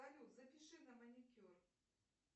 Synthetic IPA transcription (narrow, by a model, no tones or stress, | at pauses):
alʲuwzɐpʲiʂɨnɐmɐnʲikʲɔr